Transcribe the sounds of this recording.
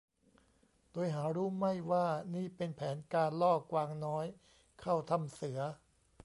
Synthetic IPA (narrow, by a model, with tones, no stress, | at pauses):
d̥oː˧jɦaː˩˦ɾuː˦˥ma˥˩jwaː˥˩niː˥˩pe˧npʰɛː˩˦nkaː˧nlɔː˥˩kwaː˧ŋnɔː˦˥j | kʰa˥˩wt̪ʰa˧msɯ˩˦ɐ